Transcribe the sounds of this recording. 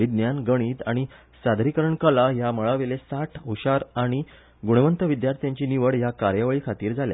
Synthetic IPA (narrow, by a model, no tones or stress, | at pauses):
id̪njanɡəɽ̃iːt̪aɽ̃i | sad̪ʱɾikəɾəɳkəlajaməɭaʋelesaʈʰuɕaɾaɽ̃i | ɡuɽəʋənt̪əʋid̪jaɾt̪ʰjãɲt͡ɕiːniʋəɽjakaɾjəʋɭiːkʰat̪iːɾd͡zʱalja̰